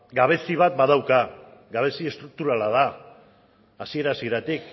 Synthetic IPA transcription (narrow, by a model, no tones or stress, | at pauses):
ɡaβ̞e̞siβ̞at̪̚bað̞awkaɡaβ̞e̞sie̞st̪ɾuk̚t̪uɾalað̞a | sie̞ɾasieɾat̪ik